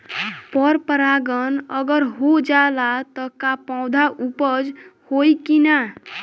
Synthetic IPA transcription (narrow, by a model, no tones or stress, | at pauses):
pəɾpəɾaɡənəɡəɾɦod͡ʒalat̪ɔkapãʊd̪ʱaʔupəd͡ʒhojkina